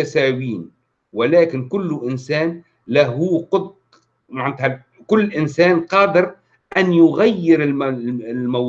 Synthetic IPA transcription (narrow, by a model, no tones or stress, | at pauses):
asaːwiːn | wɪlaːkɪnkʊlːʔɪnsaːn | laɦuːqʊd̪̚ | maʕɪnt̪ha | kʊlːʔɪnsaːnqɑːd̪ɪɾ | ʔanjʊɣajːɪɾɪllmaw